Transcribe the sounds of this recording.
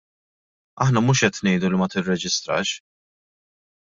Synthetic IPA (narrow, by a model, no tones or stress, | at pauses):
ɐħnɐmuːʃɛt̪nɛjd̪ulimɐt̪ɪrːɛd͡ʒɪst̪ɾɐ̰ːʃ